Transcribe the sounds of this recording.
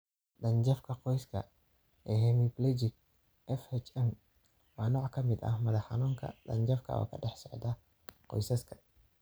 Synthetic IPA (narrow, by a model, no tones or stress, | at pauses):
ɗɐnd͡ʒɐfkʰɐqɔjskʰɐ̰ | ɛhɛmiblɛd͡ʒɪk | ʔɛfɛt͡ʃɛm | waːnɔːʕkʰɐmɪd̪ɐ̰hmɐðɐħɑnuːŋkʰɐ̰dɐ̰nd͡ʒɐfkʰɐ̰ɔ̰kʰɐɖɛħsɔʕd̪ɐ | qɔ̰jsɐskʰɐ̥